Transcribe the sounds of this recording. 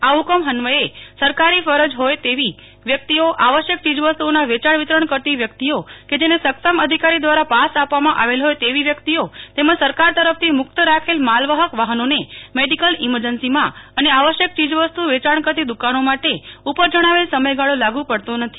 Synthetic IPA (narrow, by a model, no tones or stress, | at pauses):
aukəmɦənʋəesəɾkaɾifəɾəd͡ʒɦojt̪eʋi | ʋjək̚t̪ioʔaʋəʃjək̚t͡ʃid͡ʒʋəst̪uonaʋet͡ʃaɳʋit̪ɾəɳkəɾt̪iʋjək̚t̪ioked͡ʒenesəksəməd̪ʱikaɾid̪ʋaɾapasapʋamãʔaʋelɦojt̪eʋiʋjəkt̪iot̪emãd͡ʒsəɾkaɾt̪əɾəpft̪ʰimʊk̚t̪əɾakʰelmalʋəɦəkʋaɦənonemeɖikəliməɾd͡ʒənsimãəneaʋəʃjək̚t͡ʃid͡ʒʋəst̪uʋet͡ʃaɳkəɾt̪id̪ukanomaʈeupəɾd͡ʒəɽ̃aʋelsəməjɡaɭolaɡũpəɽt̪onət̪ʰi̥